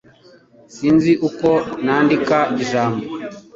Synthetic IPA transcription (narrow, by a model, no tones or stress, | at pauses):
sinziʔukɔnandikaiʒaːmbɔ